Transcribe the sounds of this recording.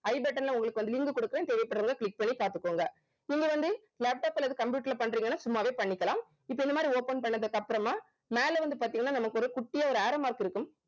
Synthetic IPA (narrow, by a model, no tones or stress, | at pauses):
ɐɪbɛʈːɐnlɐʊŋɡɐɭɯkːɯʋɐnd̪ɯlɪŋɡɯkɔɽɯkːɾeːnt̪eːʋɐɪpːɐʈːɾɯŋɡɐkɭɪk̚ːpɐɳːipaːɾt̪ɯkːoːŋɡɐ | ɪŋɡɐʋɐnd̪ɯ | leːp̚ʈaːpɛlːɐðɯkɐmpjuːʈːɪlɐpɐɳːɾiːŋɡɐnːaːsʊmːaːʋeːpɐɳːɪkːɐlaːm | ɪpːoːɛnːɐmaːd̪ɾioːpɐnpɐɳːɐðɯkːɐpːɯɾɐmaː | meːlɐʋɐnd̪ɯpaːɾt̪iːŋɡɐnːaːnɐmɐkːɯɔɾɯkʊʈːɪjaːɔɾɯaːɾɐmaːɾkɪɾɯkːɯm